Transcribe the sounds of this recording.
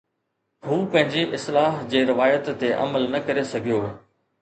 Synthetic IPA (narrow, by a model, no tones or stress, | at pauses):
huːpɐ̃ɦɪ̃ɲd͡ʑiʔɪslaːɦd͡ʑeːɾɪʋaːjət̪ːeʔɐ̰məlnɐkɐɾesɐɡʱijoː